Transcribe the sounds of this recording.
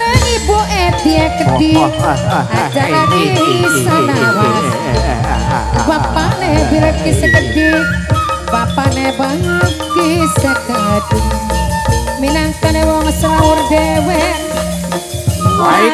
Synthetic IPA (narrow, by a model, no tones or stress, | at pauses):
neŋibuʔed̪̥iekəd̥i | ad͡ʒakakesanawas | bapanebiɾəkisəkəɖi | bapanebaŋəɡisaɡad̥u | minaŋt̪ənewɔŋsaaurdewɛ